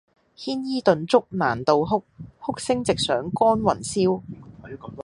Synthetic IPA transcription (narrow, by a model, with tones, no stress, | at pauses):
hiː˥njiː˥t̪ɵ˨nt͡sʊ˥k̚na̰ː˨˩nt̪o˨wɦʊ˥k̚hʊ˥k̚sɪ˥ŋt͡sɪ˨k̚sœː˨˥ŋkɔː˥nwɐ˨˩nsiː˥w